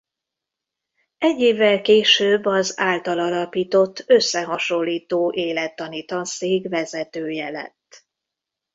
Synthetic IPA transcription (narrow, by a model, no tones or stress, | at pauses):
ɛɟːeːvːɛlkeːʃøːbːɒzaːlt̪ɒlɒlɒpiːt̪o̞t̪ːø̞sːɛɦɒʃo̞lːiːt̪oːʔeːlɛt̪ːɒniːt̪ɒnseːɡvɛzɛt̪øːjɛlɛ̰t̪ː